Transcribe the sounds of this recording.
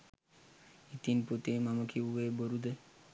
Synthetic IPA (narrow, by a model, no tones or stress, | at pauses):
it̪input̪imamokʰiueboɾud̪e